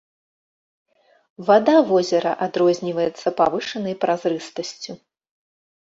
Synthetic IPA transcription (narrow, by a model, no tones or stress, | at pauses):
vad̪avɔzʲɛɾɐʔad̪ɾɔzʲnʲivɐjɛt̪sːɐpavɨʂɐnɐjpɾazɾɨst̪ɐsʲt͡sʲu